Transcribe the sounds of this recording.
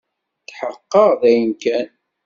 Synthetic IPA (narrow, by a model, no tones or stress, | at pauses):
θħəqːəʁðæjənkæn